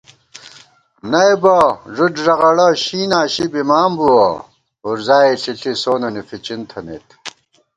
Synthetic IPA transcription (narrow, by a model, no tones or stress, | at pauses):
nɐjbɐʐuʈʐɐʁɐɽɐɕiːnaːɕibimaːmbuwɐ | oːɾzaːeɬiɬisoːnɐnifit͡ɕint̪ʰɐnḛt̪